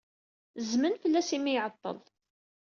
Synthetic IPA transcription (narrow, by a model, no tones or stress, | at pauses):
zmənfəlːæsimːijʕət̪ˤːə̰l